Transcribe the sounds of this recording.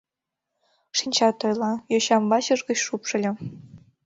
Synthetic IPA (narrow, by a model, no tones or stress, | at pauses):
ʂinʲt͡ɕɑt̪ɤ̆jlˠɑjɤ̆ɕɑmbɑɕɤ̆ʐɡɤ̆ɕʂupʂɤ̆lʲɘ̆